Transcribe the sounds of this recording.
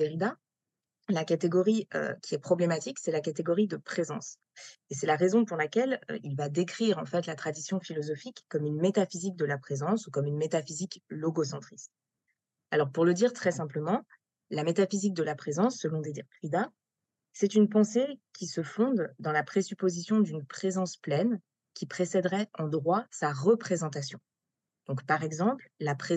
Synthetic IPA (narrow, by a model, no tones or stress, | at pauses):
eʁid̪a | lakat̪eɡɔʁiø̰kʲiɛpχɔblemat̪iksɛlakat̪eɡɔʁid̪əpχezɑ̰̃s | esɛlaʁezɔ̃puʁlakʲɛl̰ilvad̪ekχiʁɑ̃fɛt̪lat̪χad̪isjɔ̃filɔzɔfikːɔmynmet̪afizik̚d̪əlapχezɑ̃sukɔmynmet̪afiziklɔɡosɑ̃t̪χist̪̚ | alɔʁpuʁləd̪iʁt̪χɛsɛ̃pləmɑ̃ | lamet̪afizik̚d̪əlapχezɑ̃sːəlɔ̃d̪ed̪iʁpχid̪a | sɛt̪ynpɑ̃sekʲisəfɔ̃d̪d̪ɑ̃lapχesypozisjɔ̃d̪ynpχezɑ̃splɛn | kʲipχesɛd̪ʁɛɑ̃d̪ʁwasaʁəpχezɑ̃t̪asjɔ̃ | d̪̥ɔ̃kpaʁɛɡzɑ̃pllapχe